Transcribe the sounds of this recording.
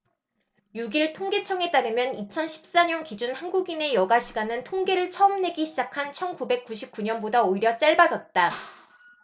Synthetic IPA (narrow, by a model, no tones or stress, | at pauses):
juɡiɭtʰoŋɡe̞t͡ɕʰʌŋe̞t͈aɾɯmjʌnit͡ɕʰʌnɕʰi̥p̚s͈aɲʌnkid͡ʑunhanɡuɡine̞jʌɡaɕʰiɡanɯntʰoŋɡe̞ɾɯɭt͡ɕʰʌʌmne̞ɡiɕʰid͡ʑakʰant͡ɕʰʌnkube̞k̚k͈uɕʰip̚k͈uɲʌnbodaoiɾjʌt͡ɕ͈aɭbad͡ʑʌt̚t͈a